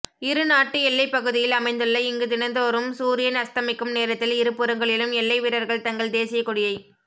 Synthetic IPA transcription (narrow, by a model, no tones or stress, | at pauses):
ɪɾɯnaːʈːɯɛlːɐɪpɐɣɯðɪjɪlɐmɐɪnd̪ɯɭːɐɪŋɡɯt̪ɪnɐnd̪ɐɔɾɯmsuːɾɪjɐnɐst̪ɐmɪkːɯmneːɾɐt̪ːɪlɪɾɯpːɯɾɐŋɡɐɭɪlɯmɛlːɐɪʋɪɾɐɾɣɐɭt̪ɐŋɡɐɭd̪eːsɪjɐkːʊɽɪjɐɪ